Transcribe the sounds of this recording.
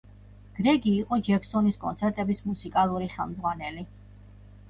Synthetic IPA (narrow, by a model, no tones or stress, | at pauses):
ɡ̥ɾɛɡiːqʼɔd͡ʒɛksɔniskʼɔ̰nt̪sʰɛɾt̪ʼɛbismusikʼalˠuɾiχɛlˠmdzʁwanɛli